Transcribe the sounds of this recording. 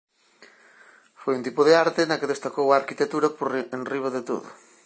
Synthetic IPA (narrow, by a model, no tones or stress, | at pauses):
fojunt̪ipʊðeaɾt̪ɪnɐkeðest̪akowaːɾkit̪ek̚t̪uɾɐpoɾenriβɐðet̪o̰ðʊ̰